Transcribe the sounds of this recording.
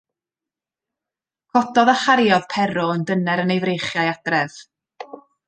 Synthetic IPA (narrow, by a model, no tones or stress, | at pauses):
kʰɔdɔðaχaɾjɔð̥pʰɛɾɔəndənɛɾənejvrejχjajad̥rɛv̥